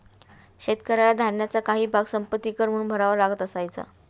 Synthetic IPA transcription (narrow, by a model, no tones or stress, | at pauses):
ɕet̪kəɾalad̪ʱanjat͡sakaɦiːbʱaɡsəmpət̪ːiːkəɾmuːnbʱəɾaʋəɾlaɡət̪əsajt͡sa̰